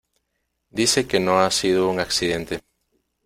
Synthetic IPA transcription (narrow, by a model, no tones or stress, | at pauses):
d̪isekenõŋasiðouŋaksiðẽnt̪e